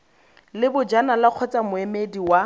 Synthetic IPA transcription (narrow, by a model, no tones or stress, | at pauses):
lɪbʊd͡ʒanalaq͡χʰɔt͡sʼamʊemediwa